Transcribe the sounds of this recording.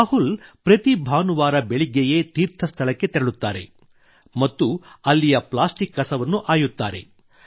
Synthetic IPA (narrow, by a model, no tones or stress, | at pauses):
aːɦulpɾɐt̪ibʱaːnuʋaːɾɐbeɭiɡːejet̪iːɾt̪ʰɐst̪ʰɐlɐkːe̞t̪ɛɾɐɭut̪ːaːɾe̞̰ | mɐt̪ːuɐlːijɐplaːsʈikːɐsɐʋɐnːuʔaːjut̪ːaːɾe̞̰